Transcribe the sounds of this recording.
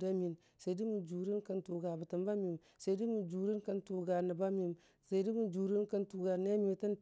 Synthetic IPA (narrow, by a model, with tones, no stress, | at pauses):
da˦mi˨n | sa˨di˦mu˨d͡ʒu˨ɾi˦nka˦ntu˨ɡa˨bə˨tə˨mba˦mi˨m | sa˨jdi˦mu˨d͡ʒu˨ɾi˦nka˦ntu˨ɡa˨nə˨ba˦mi˨m | sa˨˦di˦mu˨d͡ʒu˨ɾi˦nka˦ntu˨ɡa˨ne˦mi˨ta˦n